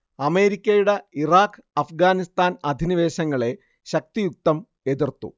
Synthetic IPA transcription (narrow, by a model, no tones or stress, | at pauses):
ɐme̞ːɾikʲːɐjuɽeiraːkːɨɐfɡaːnist̪aːnɐd̪ʱiniʋe̞ːɕɐŋːɐɭe̞ | ɕɐk̚t̪ijuk̚t̪ɐm | e̞ðirt̪ːṵ